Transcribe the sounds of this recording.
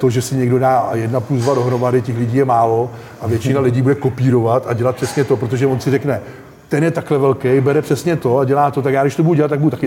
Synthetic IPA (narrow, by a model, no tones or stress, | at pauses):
t̪oʒɛsɪɲɛɡdo̞daːjɛdnapuzvado̞ɦɾo̞madɪcɛxlɪɟiːjɛmaːlo̞ | ʔavjɛt͡ʃɪnalɪɟiːbudɛko̞piːɾo̞vat̪aɟɛlat̪̚pr̥ɛsɲɛt̪o̞pɾot̪o̞ʒɛvonsɪrɛknɛ | t̪ɛnjɛt̪aklɛvɛlkejbɛɾɛpr̥ɛsɲɛt̪o̞aɟɛlaːt̪o̞t̪akjaːɡdɪʃt̪obuduɟɛlat̪ːaɡbudut̪akɪ